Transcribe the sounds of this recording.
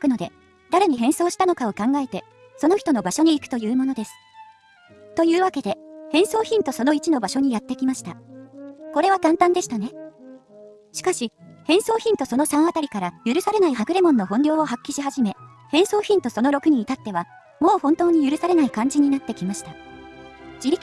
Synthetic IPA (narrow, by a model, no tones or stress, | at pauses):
kɯ̟no̞d̪e̞ | d̪̥aɾe̞ɲ̟iɦẽ̞ɰ̃so̞ːɕi̥t̪ano̞kao̞kãŋɡae̞t̪e̞ | so̞no̞çi̥t̪o̞no̞baɕo̞ɲ̟iːkɯ̟t̪o̞jɯ̟ːmo̞no̞d̪e̞sɨ̥ | t̪o̞jɯ̟ːβake̞d̪e̞hẽ̞ɰ̃so̞ːçĩnt̪o̞so̞no̞it͡ɕino̞baɕo̞ɲ̟ijat̪ːekʲimaɕi̥t̪a | ko̞ɾe̞β̞akãnt̪ãnd̪e̞ɕi̥t̪ane̞ | ɕi̥kaɕihẽ̞ɰ̃so̞ːçĩnt̪o̞so̞no̞sãɰ̃at̪aɾʲikaɾajɯ̟ɾɯ̟saɾe̞naiɦakɯ̟ɾe̞mõ̞nːo̞ɦõ̞nɾʲo̞ːoɦakʲːiɕiɦaʑime̞ | hẽ̞ɰ̃so̞ːçĩnt̪o̞so̞no̞ɾo̞kɯ̟ɲ̟iːt̪at̪ːe̞βa | mo̞ːhõ̞nt̪o̞ːɲ̟ijɯ̟ɾɯ̟saɾe̞naikãɲ̟d͡ʑiɲ̟inat̪ːe̞kʲimaɕi̥t̪a | d͡ʑiɾʲi